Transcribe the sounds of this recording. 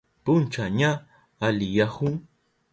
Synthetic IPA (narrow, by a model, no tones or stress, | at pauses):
pʊnt͡ʃaɲaː | lɪjahʊŋ